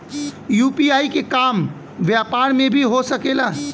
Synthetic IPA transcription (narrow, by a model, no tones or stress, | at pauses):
juːpiaːikekaːm | ʋjapaːɾmẽbʱiɦosəkela